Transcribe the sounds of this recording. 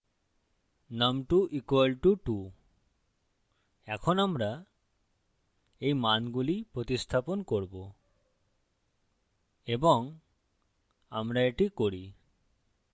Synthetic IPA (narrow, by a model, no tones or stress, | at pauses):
namʈuʔikuelʈuʈu | ɛkʰonamɾa | ejmanɡulipɾot̪ist̪ʰaponkoɾbo | eboŋ | a̰mɾaeʈikoɾi